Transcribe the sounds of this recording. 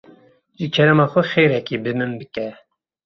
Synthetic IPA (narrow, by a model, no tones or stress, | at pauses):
ʒikʰɛɾɛmɑxʊxejɾɛkibɨmɨmbɨkɛ